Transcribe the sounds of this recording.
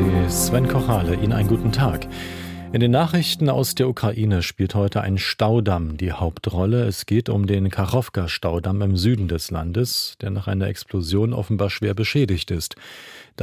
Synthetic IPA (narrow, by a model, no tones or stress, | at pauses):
sv̥ɛnkʰɔʁaːləʔḭːnənʔaɪnənɡuːtn̩tʰaːk | ʔɪndeːnːaːχʁ̥ɪçtn̩a̰ʊsd̥eːɐʔukʁ̥aʔiːnəʃpiːlthɔʏtʰəʔa̰ɪnʃtaʊdamdiːhaʊptʁɔləɛsɡ̥eːtʊ̰mdeːnkʰaʁɔfkaʃtaʊdamɪmzyːdn̩dɛsla̰ndəsd̥eːɐnaːχʔaɪnɐʔɛksplozjoːnʔɔ̰fn̩baːɐʃv̥eːɐbəʃɛːdɪçtɪstd̥